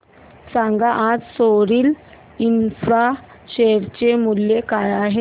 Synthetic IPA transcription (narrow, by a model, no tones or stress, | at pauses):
sãŋɡaʔad͡zsoɾiːl | infɾa | ɕeəɾt͡ɕemuljekajaɦe